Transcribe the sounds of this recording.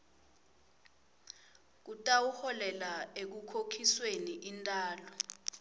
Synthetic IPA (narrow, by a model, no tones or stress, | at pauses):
k̬utʼawuhɔlɛlaek̬ukʰokʰisweniʔintʼaːlɔ